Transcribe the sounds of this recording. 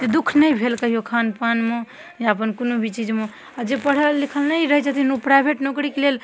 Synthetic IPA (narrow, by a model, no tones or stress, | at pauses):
t̪ed̪ukʰnəjbʱelkəɦijokʰanpanme | jaəpənkonobʱit͡ʃid͡ʒme | ad͡ʒepəɽ̤əlːikʰəlnəjɾəɦɛt͡ʃat̪inupɾajbʱeʈnokɾikelel